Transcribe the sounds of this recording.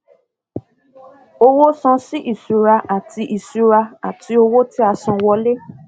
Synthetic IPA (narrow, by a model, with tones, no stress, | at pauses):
o˧wo˦sɔ̃˧si˦ʔi˨su˨˧ɾa˧ʔa˨ti˧ʔi˨su˨˧ɾa˧a˨tʰi˧o˧wo˦ti˦a˧sɔ̃˧wɔ˧le˦